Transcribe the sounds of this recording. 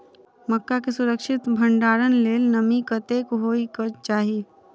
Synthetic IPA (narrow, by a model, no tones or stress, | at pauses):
məkːakesʊɾəkʃɪt̪bʱə̃ɳɖaːɾənleːlnəmikɐt̪eːkoɦoːikət͡ʃaːɦieː